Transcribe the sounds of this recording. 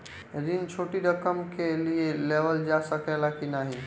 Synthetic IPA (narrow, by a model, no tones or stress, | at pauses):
ɾint͡ʃʰoʈiɾəkəmkelielebəld͡ʒasəkɛlakinaɦi